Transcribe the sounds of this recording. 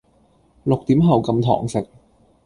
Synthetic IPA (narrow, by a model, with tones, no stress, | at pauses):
lʊ˨k̚t̪iː˨˥mɦɐ˨˩wkɐ˧mt̪ʰɔ̰ː˨˩ŋsɪ˨˩k̚